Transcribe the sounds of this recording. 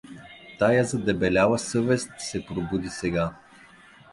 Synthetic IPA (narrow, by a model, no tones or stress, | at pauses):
t̪ajazɐd̪ɛbɛlʲavɐsɤvɛst̪sɛpɾobud̪isɛɡa